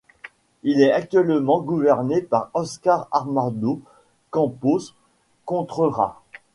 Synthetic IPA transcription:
ilɛak̚t̪ɥɛlmɑ̃ɡuvɛʁnepaʁɔskaʁaʁmaʁd̪o | kɑ̃pos | kɔ̃t̪χəʁa̰

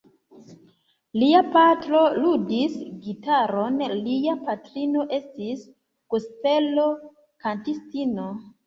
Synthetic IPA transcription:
liapatɾo̞ludisɡitaɾo̞nliapatɾino̞ʔe̞stis | kuste̞lo̞ | kantistino

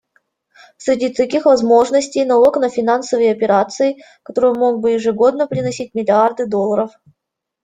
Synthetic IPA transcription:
sʲɾʲɪdʲit̪ɐkʲixvɐzmo̞ʐnəsʲtʲejnɐlˠoknəfʲɪnansəvəjɐpʲɪɾat̪sɨɪ | kɐ̥t̪o̞ɾɔjmo̞ɡ̚bɨjɪʐɨɡo̞d̪nəpɾʲɪnɐsʲit̚ʲmʲɪlʲɪard̪ɨd̪o̞lˠːəɾəf

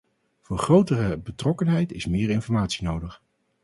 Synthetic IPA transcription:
v̥ʊːɹχrowtərəbətrɔkənɦɛjtɪsmɪːɹɪnfɔɹmaːtsinowdəχ

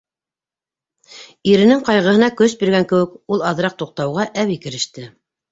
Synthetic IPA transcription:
iɾɘ̆nɘŋqɑjʁɤ̆hɤ̆nɑkɵs̬biɾɡæŋkɘ̆wɘ̆kulˠɑðɾɑq̚t̪uq̚t̪ɑwʁɑʔæwikɘ̆ɾɘ̆ʃt̪ɘ

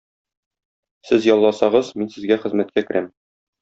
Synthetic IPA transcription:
sɘzjɒlˠːɑsɑʁɤzminsɘ̆zɡæχɘ̆zmæt̪̚kækɘ̆ɾʔæm

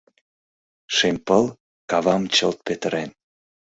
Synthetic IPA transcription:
ʃempəl | kɑβɑmt͡ɕəlt̪̚pet̪əɾen

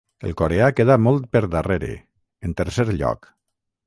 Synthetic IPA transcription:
ḛlˠkoɾeakeðamɔlˠt̪̚peɾðəreɾḛ | ent̪əɾseɾʎɔ̰k

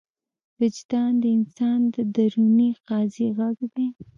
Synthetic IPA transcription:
vɪd͡ʒd̪ɑnd̪əɪnsɑnd̪əd̪aɾuniqɑziɣaɡd̪aj

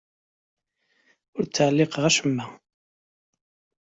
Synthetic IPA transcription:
ʊɾt͡sːəʕlːɪqʁæʃəmːæ

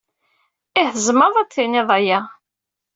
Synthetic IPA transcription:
ɪhəzˤməðˤæt͡sːiniðˤæjæ

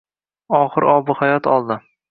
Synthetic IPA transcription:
ɒχɨɾʔɒbʊhajɒt̪ʰɒlˠd̪ɪ

